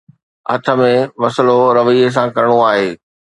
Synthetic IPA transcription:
ɐ̰t̪ʰə̆mẽʋɐsloɾɐʋiːes̬ãkɐɾɪɽ̃oaːɦeː

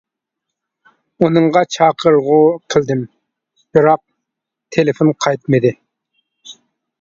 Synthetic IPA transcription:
unɨɴʁɑt͡ʃʰɑːqʰəɾʁʊqʰəlˠd̪ɪm | b̥ɨɾɑq̚ | t̪ʰelɪfonqʰɑjt̪mɨd̪ɪ

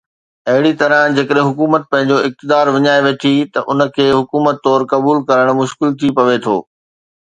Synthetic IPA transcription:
ɐɦɪɽit̪ɐɾə̃d͡ʑeːkəɗɦɪ̃ɦʊkuːmət̪̚pɐ̃ɦɪ̃ɲ̆d͡ʑoɪk̚t̪ɪd̪aːɾʋɪɲaːeʋeːʈʰit̪ɐʔʊnə̆kʰeːɦʊkuːmət̪ːɔːɾkɐbuːlkɐɾəɽ̃mʊʃkɪlt̪ʰipɐʋet̪ʰo̰ː

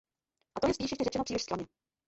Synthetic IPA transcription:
ʔat̪ojɛspiːʃjɛʃcɛrɛt͡ʃɛnopriːlɪʃskaɲɛ

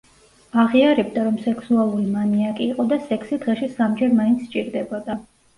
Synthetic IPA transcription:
aʁiaɾɛb̚d̪aɾɔmsɛkʰsualˠuɾimaniakʼiːqʼɔd̪asɛkʰsid̪ʁɛʃɛsamd͡ʒɛɾmaint̪sʰt͡ʃʼiɾd̪ɛbɔd̪a

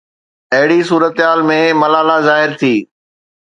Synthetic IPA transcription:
ɐɦɪɽisuːɾət̪ɦaːlmẽmɐlaːlazaːɦɪɾt̪ʰiː

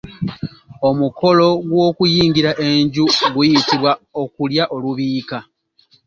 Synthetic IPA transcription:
o̞muko̞lo̞ɡwo̞ːkujiːŋɡiɾaʔe̞ɲɟuɡujitiβwaokuljaʔo̞luβiːka

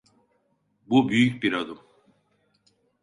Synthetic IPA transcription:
bubyjycbiɾad̪um

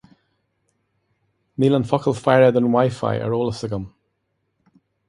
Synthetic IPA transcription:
nilə̃nfɔkʰəlˠfajɹɛd̪ə̃nwajfa̰jʔə̰ɹoːlˠəsɪɡəm

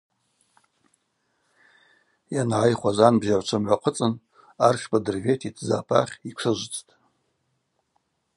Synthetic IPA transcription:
janʕajχʷazanbzaʕʷt͡ʃʷʰamʕʷaqʰət͡sʼɨn | arʃʰbadɨrvetʰitʰzaːpʰa̰χʲikʷʰɨʒʷt͡sʼtʼ

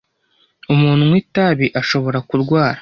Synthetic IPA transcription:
umuːn̥umwiːtaβiʔaʃo̞βo̞ɾakuɾɡwaːɾḁ

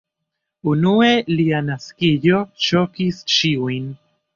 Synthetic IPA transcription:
unue̞lianaskijot͡ʃo̞kist͡ʃiujn

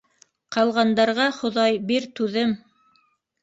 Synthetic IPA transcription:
qɑlˠʁɑnd̪ɑɾʁɑχŏðɑjbiɾt̪ʉðɘm

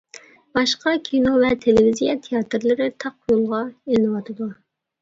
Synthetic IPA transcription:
b̥ɑʃqɑkʲʰinovɛt̪ʰelevizijɛt̪ʰijɑt̪ʰɨɾlˠɨɾɪt̪ʰɑq̚ːujulˠʁɑelɪnɨwɑt̪ʰɨd̪u

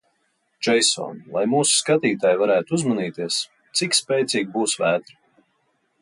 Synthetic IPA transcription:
d͡ʒɛjsɔ̰ːnlˠajmuːsu̥skat̪iːt̪aːjvaɾæːt̪uuzmaniːt̪iɛs | t̪sikspʲɛjt̪sʲiːɡ̚ʲbuːsvæːt̪ɾ

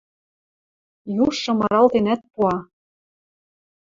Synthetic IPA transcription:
juʃːɤ̆mɤ̆ɾɑlt̪enæt̪̚puɑ

